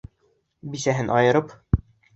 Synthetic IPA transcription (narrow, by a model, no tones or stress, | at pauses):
bisæɦɘnʔɒjɤ̆ɾɤp